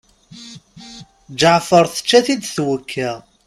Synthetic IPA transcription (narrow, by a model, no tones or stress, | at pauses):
d͡ʒʕfəɾˤθə̥t͡ʃːæθid̪θwəkʰːæ